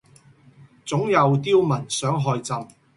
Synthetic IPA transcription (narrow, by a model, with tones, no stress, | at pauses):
t͡sʊ˨˥ŋjɐ˨˧wt̪iː˥wmɐ˨˩nsœː˨˥ŋɦɔː˧jt͡sɐ˨˧m